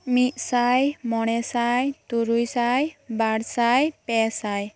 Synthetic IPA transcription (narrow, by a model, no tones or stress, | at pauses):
mit̪̚ˀsajmɔɽ̃ɛsajt̪uɾujsajbaɽsajpɛsaj